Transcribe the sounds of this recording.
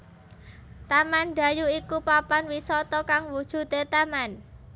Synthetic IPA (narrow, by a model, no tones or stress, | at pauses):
t̪amand̪̥a̤juikupapanwisɔt̪ɔkaŋwud̥ʒ̥ṳd̪e̤t̪aman